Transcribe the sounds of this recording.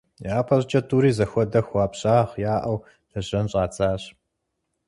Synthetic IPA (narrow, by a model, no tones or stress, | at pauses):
jaːpʰɐɕt͡ʃʼɐtʰuːɾiːzɐxʷɔdɐxʷaːpɕʼaːʁjaːʔɐw | d̥ɐʑɐnɕʼaːt͡sʰʼaːɕ